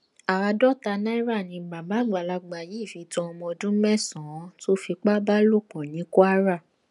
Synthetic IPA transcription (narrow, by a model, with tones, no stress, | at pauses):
a˨ɾa˧dɔ˦ta˧nã˦i˦ɾa˦˨nĩ˧ɡ͡ba˨ba˨˦˨ɡ͡ba˨la˧ɡ͡ba˨ji˨˦˨fi˧˦tɔ̃˧˦ɔ˧mɔ̃˧dũ˦mɛ̃˦˨sɔ̃˨˦to˦fi˧k͡pa˦ba˦lo˦˨k͡pɔ̃˨nĩ˨˦ko˦a˦ɾa˦˨